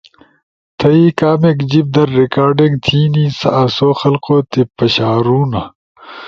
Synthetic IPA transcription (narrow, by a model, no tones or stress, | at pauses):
t̪ʰɐiːkaːmekd͡ʑib̚d̪ɐɾːikaːɾɖiŋɡt̪ʰiːniːsɐ̰ʔɐsoːxɐlqoːt̪epɐɕaːɾuːnɐ